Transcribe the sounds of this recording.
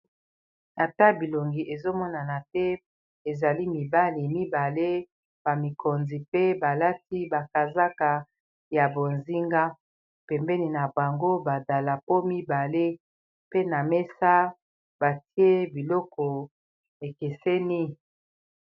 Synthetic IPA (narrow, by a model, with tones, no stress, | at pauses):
a˨ta˦bi˨lo˨ŋɡi˨ʔe˨zo˦mɔ˦na˨na˨pɛ˦ | e˨za˨li˦mi˨ba˦li˨mi˦ba˨le˦ | ba˨mi˨kʰo˨nzi˨pe˦ba˨la˦ti˦ba˨ka˨za˦ka˨ | ja˨bo˨nzi˦ŋɡa˦ | pɛ˨mbɛ˦ni˨na˨ba˨ŋɡo˦ba˨da˨la˨po˦mi˦ba˨le˦ | pe˦na˨mɛ˦sa˦ | ba˨ti˦e˦bi˨lɔ˦kɔ˨ | e˨ke˨sɛ˦ni˦